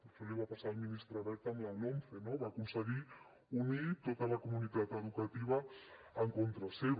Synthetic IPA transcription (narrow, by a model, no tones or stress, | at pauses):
peɾt͡ʃoleβapasalminist̪ɾaβɛɾt̪amlanomfenoβakunsəɣi | unit̪ot̪əlakomunit̪at̪eðukat̪iβɐːŋkont̪ɾaseβ